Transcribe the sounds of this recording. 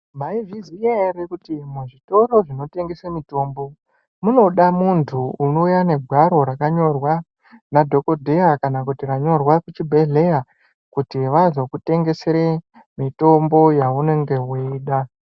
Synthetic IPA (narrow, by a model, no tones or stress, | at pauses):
maivizijaiɾekutimuʐito̞ɾo̞ʐino̞te̞ŋɡe̞semito̞ːmbo̞ | muno̞ɗamuntʰuuno̞ujane̞ɡʱwaɾo̞ɾakaɲo̞rwa | nadʱo̞ko̞dʱe̞akanakutiraɲo̞rwakut͡ʃibʱeɮe̞ja | kutiʋazokute̞ŋɡe̞se̞ɾe | mito̞mbo̞jaune̞ŋɡe̞ɦoiːɗa